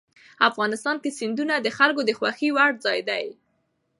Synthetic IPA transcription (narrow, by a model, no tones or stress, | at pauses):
afɣɑnɪst̪ɑnkesɪnd̪unad̪əxalkod̪əxwaxiwaɽzɑjd̪aj